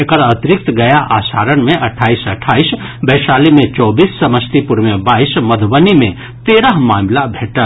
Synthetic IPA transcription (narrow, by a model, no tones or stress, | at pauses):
ekəɾət̪ɾɪk̚t̪ɡɐjaʔaːsa̰ːɾənmẽʔɐʈʰːaːisəʈʰːaːisbɛːʃaːlimẽt͡ʃɔːbiːsːɐməst̪ipuɾmebaːisməd̪ʱbənimẽ | t̪eːɾəɦmaːmlabʱeːʈə